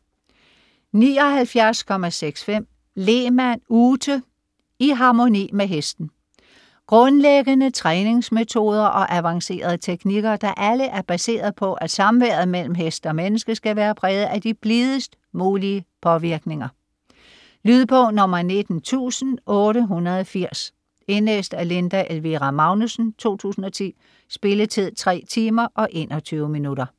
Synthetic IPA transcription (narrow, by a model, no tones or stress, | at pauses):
nḭːɒ̽ɦælfjæɐskʰɒ̽mæseɡ̥sfem̰ | le̝mænuːt͡sə | iɦɑ̈mo̝nḭːmeɦesd̥n̩ | ɡ̥ʁɔ̽nleɡ̥ənət͡sʰʁɛːne̝ŋsmet͡sʰo̝ːð̞ˠɐʔɒ̽ʔæʋɑ̈ŋse̝̰ːɐð̞ˠət͡sʰeɡ̥niɡ̥ɐd̥ɑ̈ʔæləʔæɐb̥æse̝̰ːɐð̞̩ˠpʰɒ̽ʔæ̥sɑ̈mʋeɐð̩ˠmel̰m̩ɦesd̥ɒ̽menəsɡ̥əsɡ̥æʋæːɐpʰʁɛːð̞̩ˠæd̥ib̥liðˠəsd̥ | muːliəpʰɒ̽ʋiɐɡ̥ne̝ŋɐ | lyːð̞ˠpʰɒ̽nɒ̽m̰ɐne̝d̥n̩t͡sʰṵːsn̩ʔɔ̽ːɾəɦunɐðˠɒfiɐ̰s | e̝nlḛːsd̥æle̝nd̥æʔelʋiʁɑmɑ̈ʊnusn̩t͡sʰo̝̰ːt͡sʰṵːsn̩ɒ̽t͡sʰḭː | sb̥e̝lət͡sʰe̝ðˠt͡sʰʁɛ̰ːt͡sʰiːmɐʔɒ̽ʔe̝̰ːnʔɒ̽t͡sʰyːʊminuɾɐ